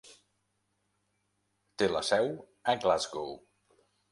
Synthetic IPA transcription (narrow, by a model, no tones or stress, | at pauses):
t̪elə̰sɛw | əɡlazɡow